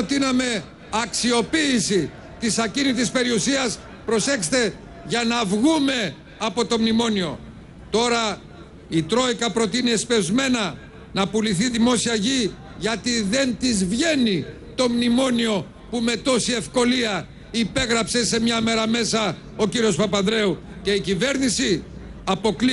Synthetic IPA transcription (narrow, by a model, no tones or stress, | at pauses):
t̪inɐme̞ | ɐksio̞piːsi | t̪isɐcinit̪ispe̞ɾiusiɐs | pɾo̞se̞kst̪e̞ | ʝɐnɐvɣume̞ | ɐpo̞t̪o̞mnimo̞nio̞̰ | t̪o̞ɾɐ | it̪ɾo̞ikɐpɾo̞t̪iniespe̞zme̞nɐ | nɐpuliθiðimo̞siɐʝi | ʝɐt̪iðe̞nt̪izvʝe̞ni | t̪o̞mnimo̞nio̞ | pume̞t̪o̞sie̞fko̞liɐ | ipe̞ɣɾɐpse̞se̞mɲɐme̞ɾɐme̞sɐ | o̞ciɾio̞spɐpɐðɾe̞u | ce̞icive̞ɾnisiɐpo̞kli